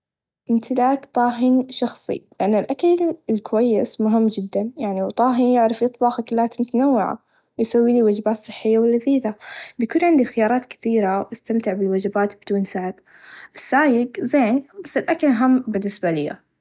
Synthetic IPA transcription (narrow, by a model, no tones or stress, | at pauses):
ʔɪnt̪ɪlaːkt̪ˤɑːɦɪnʃɑxsˤḭlɪʔanːɪlʔakalɪlkʊwajːɪsmʊɦɪmːd͡ʒɪd̪ːanjaʕniwt̪ˤɑːɦɪnjɪʕɾɑfjɨt̪ˤbɑːxakalːaːt̪mʊt̪anawːɪʕa̰ | wjsawːiːliwad͡ʒbaːt̪sˤɨ̥ħːɪjːawɪlːaðiːðabjkuːnʕɪnd̪ixɪjɑːɾˤɑːt̪kɪ̥θiːɾawʔast̪amt̪ɪʕbɪlwad͡ʒabaːt̪bɪd̪uːnsaʕɪb | ʔɪsːaːjɪɡzeːnbasːɪlʔakalʔaɦamːbɪnːɪsbalɪjːa̰